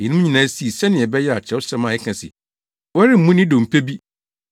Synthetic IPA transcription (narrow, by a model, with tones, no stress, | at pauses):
jɛ˨nʊ̃˦ɲĩ˨nãː˨˦si˦e˨sɛ˦nɪ̃˨ɛ˨bɛ˦jɛ˦a˨t͡ɕʰɛ˦wɔ˦sɾɛ˦mã˨ɛ˦kʰã˨sɪ̰˨ | wɛ˦ɾɪ˦m̩˨mũ˦nɪ̃˦dõ˨m̩˨pʰe˦bi˦